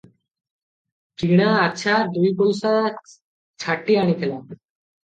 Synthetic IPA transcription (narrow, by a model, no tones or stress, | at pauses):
ʈiɽ̃aːɕʰad̪ujpolsa | t͡ɕʰaʈːiaɽ̃it̪ʰela